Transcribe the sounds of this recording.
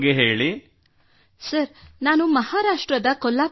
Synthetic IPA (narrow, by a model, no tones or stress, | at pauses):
ɡeɦeːɭi | sɐɾnaːnumɐhaːɾaːʂʈɾɐd̪ɐkɔlːaː